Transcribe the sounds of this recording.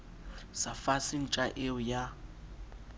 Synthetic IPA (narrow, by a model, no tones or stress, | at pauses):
safasin̩t͡ʃʼaʔeʊja